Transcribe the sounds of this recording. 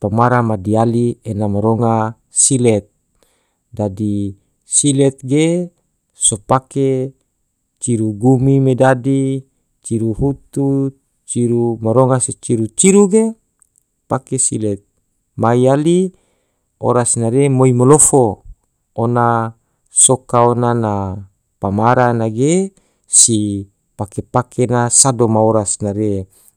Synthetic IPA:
pamaɾamadialienamaɾoŋa | silɛt̪̚ | dadi | silɛt̪̚ɡe | sopake | t͡ʃiɾuɡumimedadi | t͡ʃiɾuhut̪u | t͡ʃiɾumaɾoŋaset͡ʃiɾut͡ʃiɾuɡe | pakesḭle | maiali | o̰ɾasnaɾemoimolofo | ona | sokaonana | pamaɾanaɡe | si | pakepakʰenasadomaoɾasnaɾe

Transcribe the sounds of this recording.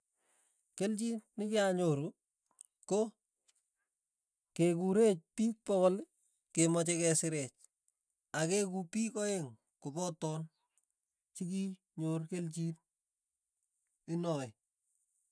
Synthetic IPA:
kelt͡ʃitnɪkɪaɲoɾu | ko | kekuɾet͡ʃ̚piːk̚pɔkol | kemɔt͡ʃɛkɛsɪɾɛt͡ʃ | akekupikɔeŋ | kʊpɔtɔn | t͡ʃik̬i | ɲoɾkelt͡ʃit | ɪnɔɪ

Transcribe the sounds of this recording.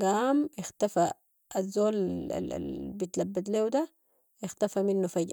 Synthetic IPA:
ɡaːmjɪxt̪afa | azːoːl̰lbit̪labːat̪leːwd̪a | jɪxt̪afaminːufaɟ

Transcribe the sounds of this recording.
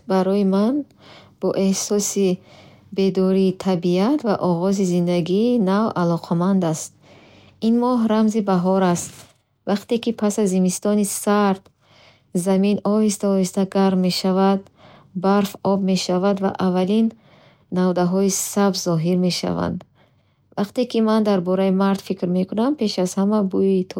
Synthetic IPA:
baɾɔjiman | b̥ɔʔe̞hsɔsi | be̞d̪ɔɾiːt̪ʰabiat̪ʰvaʔɔʁɔzizind̪aɡiːnavalɔqʰamand̪ast̪̚ | inmɔɦɾamzibaɦɔɾast̪ | vaqt̪ekipʰasazːimist̪ɔnisaɾt̪ | zaminɔhist̪aɔist̪aɡaɾmːe̞ʃavad̪ | baɾfɔbme̞ʃavad̪va̰ʔavalinː | avd̪aɦɔisabzːɔɦiɾme̞ʃa̰va̰nd̪ | vaqt̪e̞kimand̪aɾbɔɾaimaɾt̪fikɾme̞kʰunampʰe̞ʃazhamabuit̪ʰ

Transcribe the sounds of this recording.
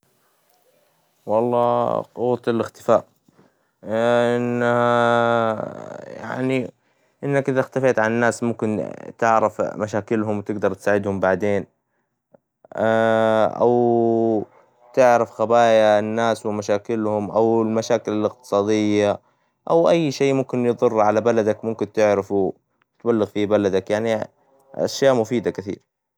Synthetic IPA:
wɑlˤːɑːquwt̪ˤlɪxt̪ɪfaːʔ | ʔɪnːaha | ja̰ʕni | ʔɪnːakʔɪðaxt̪afeːt̪ʕannːaːsmʊmkɪnt̪ɪʕɾɪfmaʃaːkɪlhʊmwt̪ɪɡd̪ɑɾˤt̪saːʕɪd̪hʊmbaʕd̪eːn | ʔa̰w | t̪ɪʕɾafxabaːjanːaːswɪmaʃaːkɪlhʊmʔawɪlmaʃaːkɪlɪlɪqt̪ɨ̥sˤɑːd̪ɪjːa | ʔawʔajːʃeːmʊmkɪnjɨðˤʊrˤːʕalabalad̪akmʊmkɪnt̪ɪʕɾɪfu | t̪balːɪɣfibalad̪akjaʕni | ʔa̰ʃjaːʔmʊfiːd̪akɪθḭːɾ

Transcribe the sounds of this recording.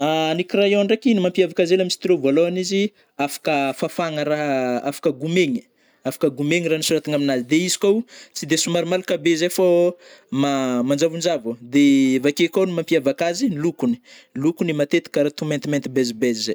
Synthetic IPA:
anikrajoɳɖ͡ʐakinimampiavakazelamisi̥t̪iɾovaloanizi | afḁkəfafaŋəɾaɦafḁkəɡumeŋi̥ | afḁkəɡumeŋiɾanisuɾat̪iŋaminazid̪eizi̥kʲowt͡sid̪esumaɾimalukabezefomamand͡ʒavund͡ʒavud̪evakekawnimampiavakazinlukuni̥lukunimat̪et̪i̥kaɾat̪ument̪iment̪ibɛzibɛzizej

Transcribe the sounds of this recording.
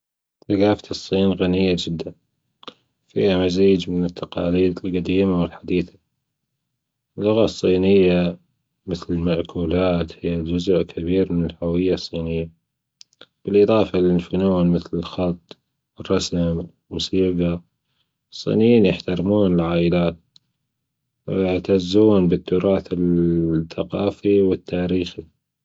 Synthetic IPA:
θakaːft̪ʰɨsˤːiːnɣanɪjːad͡ʒɪd̪ːan | fḭːhamaziːd͡ʒmɪnɪt̪ʰːɑqɑ̰ːliːd̪ɪlqad̪iːmawɪlħad̪iːθḁ | ɪlːʊɣasˤːiːnɪjːa | mɪθlɪlmaʔkʰuːlaːt̪hɪjːad͡ʒʊzʊʔkʰabiːɾmɪnɪlhawɪjːasˤːiːnɪjːa | b̥ɪlʔɨðˤɑːfɑlɪlfʊnuːnmɪθlɪlxɑt̪ˤː | wɪrˤːɑsamlmʊsiːɡɑ | sˤːḭːnɪjiːnjɪħt̪aɾmuːnɪlʕaːʔɪlaːt̪̚ | wjɪʕt̪azːuːnbɪt̪ːʊɾˤɑːθɪlθaqɑːfiwɪt̪ːaːɾiːxi

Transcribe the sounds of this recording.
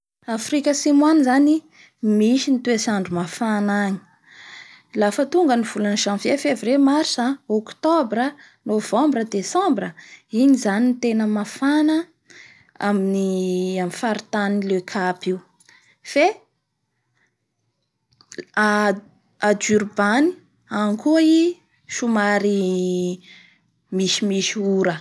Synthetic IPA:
afrikʲəsimwanzani | miʃinit̪uesaɳɖ͡ʐumafanaɲi̥ | lafət̪uŋɡəniv̥ulanʃãnfefevremaɾsaokt̪ɔbrə | nov̥ãmbrəd̪esãmbrəiɲizanint̪enəmafanə | a̰miniamifaɾit̪anilekʰapiw | fe | a | ad͡ʒyrbani̥ | aŋkui | ʃumaɾi | miʃimiʃiuɾə

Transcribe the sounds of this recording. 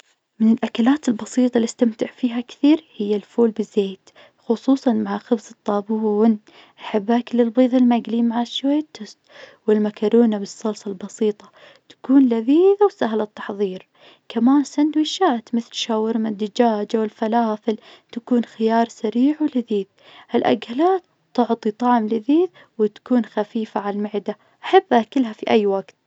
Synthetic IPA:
mɪnɪlʔakalaːt̪ɪlbɑsiːt̪ˤɑlɪst̪amt̪ɪʕfiːɦakθiːɾhɪjːalfuːlbɪzːeːt̪ | xʊsˤuːsˤɑnmaʕaxʊbzɨt̪ˤːɑːbuːn | ʔaħabːaklɪlbiːðˤɪlmaɡlimaʕaʃwajːat̪ːʊst̪wɪlmakɑɾuːnabɨsˤːɑlsˤɑlbɑsiːt̪ˤɑ | t̪ḁkuːnlaðiːðawsaɦlat̪ːɑ̥ħðˤiːɾ | kamaːnsand̪wiʃːaːt̪mɪθlʃaːwːɪɾmnɪd̪ːɪd͡ʒaːd͡ʒawɪlfalaːfɪlt̪akuːnxɪjɑːɾˤsaɾiːʕwɪlɪðiːð | ʔɪlʔa̰ɡhalaːt̪ː | ʊʕt̪ˤit̪ˤɑʕmlɪðiːð | wɪt̪ḁkuːnxafiːfaʕallmɪʕd̪a | ʔaħabːʔakɪlɦafiʔajːwaɡt̪

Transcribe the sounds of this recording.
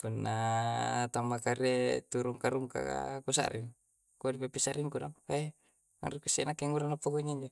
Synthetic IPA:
punːa | t̪amakaɾet̪uɾuŋkaɾuŋka̰ka̰kusa̰ɾʔḭ | kudipapisaɾiŋkudaŋa | a̰ɾikasinakːeŋɡuɾanapːaɡuiŋiɲd͡ʒo

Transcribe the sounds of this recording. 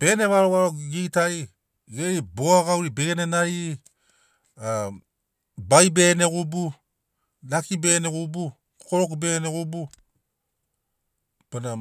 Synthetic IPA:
b̥e̞ne̞βaɾoβaɾoɡitaj | ɡeiboaɡawɾibeɡenenai | a | bajbe̞ne̞ɡubu | lakibe̞neɡubu | koɾokbeneɡubu | pana

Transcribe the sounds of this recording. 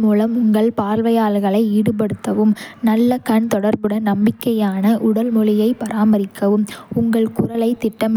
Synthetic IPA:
muːlɐmʊŋɡɐɭpaːɾʋɐjaːlɣɐɭɐɪiːɽɯp̬ɐɽɯt̪ːɐʋɯmnɐlːɐkɐɳt̪ɔɽɐɾbɯɽɐnɐmbɪkːɐjaːnɐʔʊɽɐlmɔɭɪjɐɪpɐɾʔaːmɐɾɪkʰːɐʋɯmʊŋɡɐɭkʊɾɐlɐɪt̪ːɪʈːɐm

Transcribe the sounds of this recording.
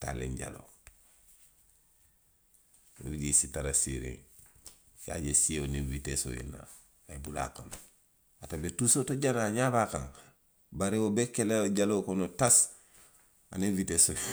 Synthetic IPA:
ta̰lḛɲɟa̰lo̰ | wo̰biɟisitaɾasḭɾḛŋ | sa̰ɟesieoniviteso̰jḛna̰ | aibula̰kono | atabetusotoɟanaɲabakãŋ | baɾewobekeleɟalokonotas | a̰neviteso

